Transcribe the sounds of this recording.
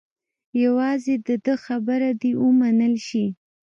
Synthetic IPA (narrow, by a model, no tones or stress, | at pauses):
jawɑzed̪əd̪əxabəɾad̪iwəmanəlʃi